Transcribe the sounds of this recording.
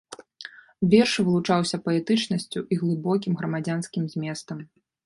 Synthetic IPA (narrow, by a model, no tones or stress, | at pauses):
vʲɛrʂvɨlˠut͡ʂawsʲɐpɐɛt̪ɨt͡ʂnɐsʲt͡sʲuʔiɣlˠɨbɔk̬ʲimɣɾɐmad͡zʲanskʲimzʲmʲɛst̪ɐm